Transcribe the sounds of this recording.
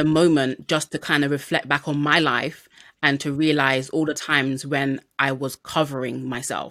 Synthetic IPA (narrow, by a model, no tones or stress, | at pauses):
əmõʊ̃mə̃nd̥ʒ̥ʌstʰɨkʰãɪ̃ndəvɹɪflɛk̚b̥akn̩maɪla̰ɪf | ə̃ntʰəɹiəlaɪzɔlˠðətʰãɪ̃mzwə̃nʔaɪwʌz̥kʰʌvə˞ɪ̃ŋmaɪsɛ̰lˠ